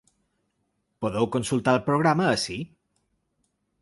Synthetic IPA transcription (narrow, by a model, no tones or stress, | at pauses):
poðɛwkonsulˠt̪aəlˠpɾoɣ̞ɾaməːsi